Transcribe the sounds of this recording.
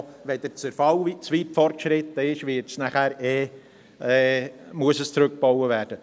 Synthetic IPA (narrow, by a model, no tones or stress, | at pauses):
ʋɛd̥̪ət͡səɾfɑwit͡sʋiːtfɔrtʃɾɪt̪ːəɪʃvɪtsnæχæːɾɛː | ɛːmuəsəst͡sɾɵk̚b̥owəvæːrd̥ə